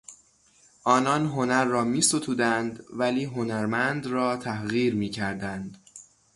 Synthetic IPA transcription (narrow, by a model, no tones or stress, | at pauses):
ʔɒːnɒːnɦo̞næɾːɒːmiːsot̪ʰuːd̪ænd̪væliːɦo̞næɾmænd̪rɒːt̪ʰæhɣiːɾmiːcʰæɾd̪ænd̪̥